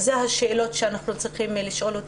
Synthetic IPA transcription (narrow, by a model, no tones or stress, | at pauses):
zeɦaʃeːlo̞tʃeanaχnut͡sʁiχimliʃo̞lot